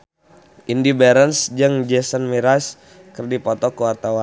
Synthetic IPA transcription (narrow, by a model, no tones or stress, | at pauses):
ʔindibɛɾənsd͡ʒəŋd͡ʒɛsənmiɾas | kərdipɔt̪ɔkəwart̪awan